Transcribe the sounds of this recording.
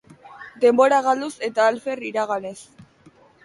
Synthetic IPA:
d̪e̞mbo̞ɾaɣ̞ald̪use̞t̪aːlfe̞riɾaɣane̞s

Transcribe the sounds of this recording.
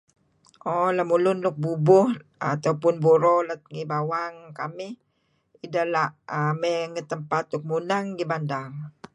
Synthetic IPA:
ʔɔlamulʊnlʊk̚bubʊhat̪aupʊnbuɾolət̪̚ŋibawaŋkamɪh | idalaamɛŋət̪ːəmpat̪lʊk̚munaŋɡibandaŋ

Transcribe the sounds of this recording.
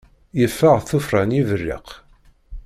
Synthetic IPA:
jəfːəʁθufɾˤanivərːḭq

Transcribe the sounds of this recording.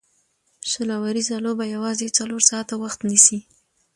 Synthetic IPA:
ʃalɑwaɾizalobajawɑzet͡saloɾsɑt̪awaxt̪nisi

